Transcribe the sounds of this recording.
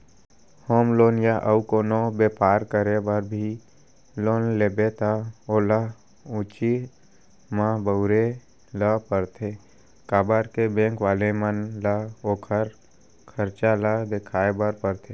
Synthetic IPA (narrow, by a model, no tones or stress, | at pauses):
hoːmloːnjaʔəukoːnobepaːɾkəɾebəɾbʱi | loːnlebet̪aoːla | ut͡ʃi | mãbəʊɾe | ləpəɾt̪ʰe | kaːbəɾkebẽːŋkʋaːlemənlaoːkʰəɾ | kʰəɾt͡ʃalad̪ekʰaːebəɾpəɾt̪ʰeː